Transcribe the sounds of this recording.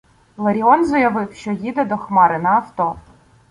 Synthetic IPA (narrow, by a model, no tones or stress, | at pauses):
lˠɐɾʲiɔnzɔjɐʋɪwʃt͡ʃɔjid̪ɛd̪ɔxmɑɾɪnɐːft̪ɔ